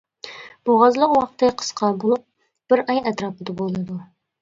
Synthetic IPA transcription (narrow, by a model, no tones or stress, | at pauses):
b̥oʁɑzlˠəqwɑq̚t̪ɨqʰə̥sqʰɑbolˠup̚ | b̥ɪɾɑjɛt̪ɾɑːpɨd̪ɨbolˠɨd̪u